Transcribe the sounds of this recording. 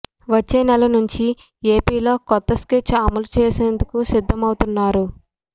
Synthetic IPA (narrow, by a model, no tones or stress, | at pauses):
ʋɐt͡ʃːeːnɛlɐnuɲt͡ʃi | e̞ːpiːlo̞ːkɔt̪ːɐsket͡ʃːɐmɐlut͡ʃeːseːnd̪ukusid̪ʱːɐmɐwut̪unːaːɾu